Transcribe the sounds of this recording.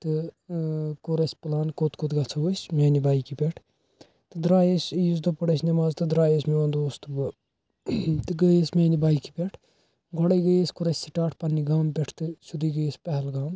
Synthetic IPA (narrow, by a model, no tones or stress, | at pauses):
t̪ɨ | koɾɐsʲpɨlaːnkot̪kot̪ɡɐt͡sʰosʲmʲeːnibaːikipʲeʈʰ | t̪ɨd̪ɾaːjesʲis̬d̪opɐɽɐsnɐmaːzt̪ɨd̪ɾaːjesmeond̪oːst̪ɨbɨ | t̪ɨɡəesmʲeːnibaːikipʲeʈʰ | ɡʱɔɽɐɡəjesʲkoɾɐsʲsiʈaːʈʰpɐnːiɡaːmpʲeʈʰt̪ɨsud̪iɡəesʲpɐɦɛlɡaːm